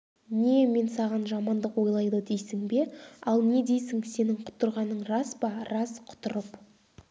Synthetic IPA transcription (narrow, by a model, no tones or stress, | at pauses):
ne̞me̞nsɑʁɑnʒɑmɑnd̪əqwo̞jlˠɑjd̪əd̪e̞jsɪŋbe̞ɑlˠne̞d̪e̞jsɪŋse̞nɪɴqʰʊ̥t̪əɾʁɑnəɴrɑspɑɾɑsqʰʊ̥t̪ʊɾəp